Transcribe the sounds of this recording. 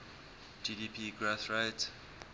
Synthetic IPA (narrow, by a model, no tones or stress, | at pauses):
d͡ʒidiːpʰiɡɹoθɹeɪt